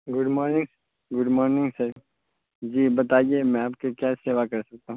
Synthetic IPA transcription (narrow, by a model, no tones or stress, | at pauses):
ɡʊɖmɔːɾnɪ̃ŋɡs | ɡʊɖmɔːɾnɪ̃ŋɡsɐɾ | d͡ʒiːbɐt̪aːiemɛ̃aːpkekjaseːʋakɐɾsɐk̚t̪aɦũ